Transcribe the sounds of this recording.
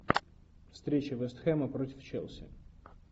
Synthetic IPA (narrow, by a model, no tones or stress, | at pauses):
fst̪ɾʲet͡ɕɪvɛst̪xɛməpɾotʲɪft͡ɕḛlˠsʲɪ̰